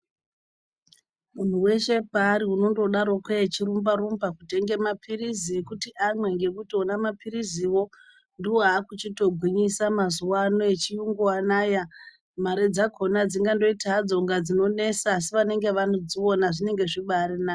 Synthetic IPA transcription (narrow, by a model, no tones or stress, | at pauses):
mun̤uwe̞ʃe̞paːɾiuno̞ndo̞ɗaɾo̞keet͡ʃiɾumbaɾumbakute̞ŋɡe̞mapʰiriziekutiʔamwe̞ŋɡe̞kutionamapiɾiziwo̞ | ndiwoɦaːkut͡ʃito̞ɡʱwiɲisamazuwanoet͡ʃijuŋɡuwanaːja | maɾe̞d͡zakʰo̞nad͡ziŋɡando̞itad͡zo̞ŋɡad͡zino̞ne̞saːs̬iʋane̞ŋɡe̞ʋano̞d͡ziwo̞naʐine̞ŋɡe̞ʐiɓaːɾinaː